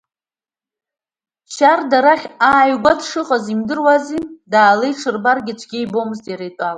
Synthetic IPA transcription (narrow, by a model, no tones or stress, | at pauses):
ʃardaɾaχʲaːjɡʷadʰʂɨχʼazimdɨrwazidaːlejʈ͡ʂʰɨrbarɡʲɪt͡ʃʷʰɡʲɪjbo̞mɨztʼjaɾejtʼal